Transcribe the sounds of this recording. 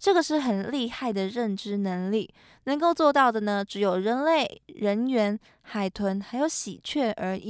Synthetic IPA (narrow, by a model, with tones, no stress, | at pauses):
ʈ͡ʂɤ˥˩ɡə˩ʂɻ̩˥˩xə˨˩nli˥˧xa˥˩ɪd̪ə˩ɻə˥˩nʈ͡ʂɻ̩˥nə˧˥ŋli˥˩ | nə˧˥ŋko˥˧ʊt͡swɔ˥˧t̪ɑ˥˩ʊd̪ə˩nə˩ʈ͡ʂɻ̩˧˥jo˨˩ʊɻə˧˥nle˥˩ɪɻə˧˥nɥɛ˧˥n | xa˨˩ɪt̪ʰwə˧˥nxa˧˥ɪjo˧˥ʊɕḭ˨˩t͡ɕʰɥɛ˥˩ʔə˞˧˥